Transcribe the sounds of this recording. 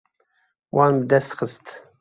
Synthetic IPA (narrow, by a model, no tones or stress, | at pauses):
wɑːnbəd̪æst̪xəst̪